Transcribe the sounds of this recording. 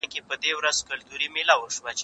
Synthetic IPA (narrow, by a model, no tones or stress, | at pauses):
kepəd̪ewɾazkʊlt̪uɾimilawəʃwat͡ʃ